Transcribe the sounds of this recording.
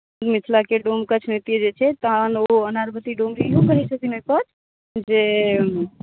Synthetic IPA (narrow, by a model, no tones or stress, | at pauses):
d̪mit̪ʰlakeɖomkət͡ʃʰnet̪ied͡ʒet͡ʃʰɛt̪ənoənaɾbət̪iɖomɾijũkəɾɛsəkinɦopət̪ | d͡ʒe